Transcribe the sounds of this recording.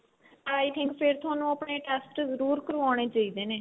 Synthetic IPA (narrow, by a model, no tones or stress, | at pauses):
aːjt̪ʰɪ̃ŋkpʰɪɾt̪ʰʊaːnũːəpɳeːʈɛːsʈzəɾuːɾkəɾʋaːɽ̃eːt͡ʃaːiːd̪eːneː